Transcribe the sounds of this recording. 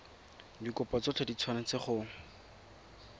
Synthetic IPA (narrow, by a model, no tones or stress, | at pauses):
dikʊpɔt͡sʊt͡ɬʰadit͡sʰwanat͡sɪχʊŋ